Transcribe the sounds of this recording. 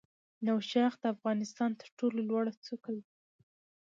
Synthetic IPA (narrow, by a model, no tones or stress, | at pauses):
nawʃɑxd̪əafɣɑnɪst̪ɑnt̪əɾʈololwɑɽat͡sukəl